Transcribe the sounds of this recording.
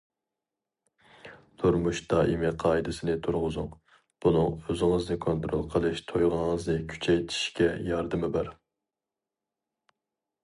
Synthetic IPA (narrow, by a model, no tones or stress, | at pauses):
t̪ʰuɾmuʃt̪ɑʔimɪqʰɑːid̪ɪsɪnɪt̪ʰuɾʁʊzʊŋ | b̥unɨŋøzɪŋəznɨkʰont̪ɾo̰lˠqʰəlˠɨʃt̪ʰojʁəəznɪkʲʰy̥t͡ʃʰɛjt̪ʰi̥ʃkʲɛjɑɾd̪ɨmɪbæɾ